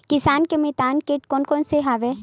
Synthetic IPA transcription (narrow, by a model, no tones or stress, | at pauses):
kɪsaːnkemet̪aːnkeʈkoːnkɔːnseɦaʋe